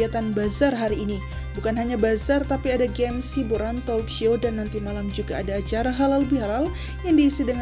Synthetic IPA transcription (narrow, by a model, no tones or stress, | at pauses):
at̪anbazarɦaɾiːni | bukanɦaɲabazart̪apiadaɡɛmshibuɾant̪ɔlkʃiodanːant̪imalamd͡ʒuɡaːdaːt͡ʃaɾaɦalalbiɦalal | jaŋdiːsidəŋ